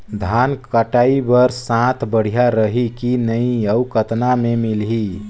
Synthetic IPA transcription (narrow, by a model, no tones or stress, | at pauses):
d̪ʱankəʈaibəɾssãt̪ʰbəɽ̤ijaɾəɦikinəĩəukət̪namemilɦi